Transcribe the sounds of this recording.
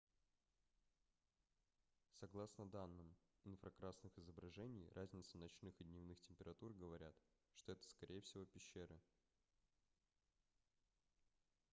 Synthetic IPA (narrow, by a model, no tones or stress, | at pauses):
sɐɡlˠasnəd̪anːɨm | ɪnfɾɐkɾasnɨxɪzəbɾɐʐɛnʲɪjrʔazʲnʲɪt̪sənɐt͡ɕnɨxɨd̪ʲnʲɪvnɨxtʲɪmʲpʲɪɾɐt̪urɡəvɐɾʲa̰t̪ | ʂt̪o̞ɛt̪ə̥skɐɾʲʔejəfsʲɪvo̞pʲɪɕːeɾɨ